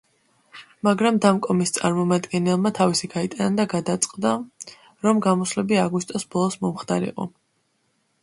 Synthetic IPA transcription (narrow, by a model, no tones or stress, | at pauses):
maɡɾamd̪amkʼɔmist̪sʼaɾmɔmad̪ɡɛnɛlˠmat̪ʰavisiɡait̪ʼanad̪aɡad̪at̪sʼqʼd̪a | ɾɔmɡamɔslɛbiaɡust̪ʼɔsbɔlˠɔsmɔmχt̪ʰaɾḭqʼɔ̰